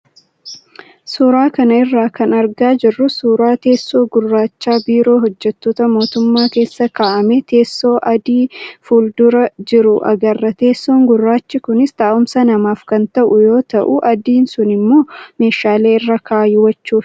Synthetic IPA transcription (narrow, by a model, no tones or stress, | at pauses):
suːɾaːkɐnɐɪrːaːkɐnɐɾɡaːd͡ʒɪrːʊsuːɾaːt̪e̞ːsːo̞ːɡʊrːaːt͡ʃːaːbiːɾo̞ːɦɔd͡ʒːɛt̪ːoːt̪ɐmo̞ːt̪ʊmːaːke̞ːsːɐkaːʔɐmet̪ʰe̞ːsːo̞ːʔɐd̪iːfuːld̪ʊɾɐd͡ʒɪɾʊʔɐ̰ɡɐrːɐt̪e̞ːsːo̞ːŋɡʊrːaːt͡ʃːɪkʊnɪst̪aːʔʊmsɐnɐmaːfkɐnt̪ɐʔʊjo̞ːt̪ɐʔʊʔɐd̪iːnsʊnɪmːo̞ːme̞ːʃaːle̞ːɪrːɐkaːjwɐt͡ʃːuːf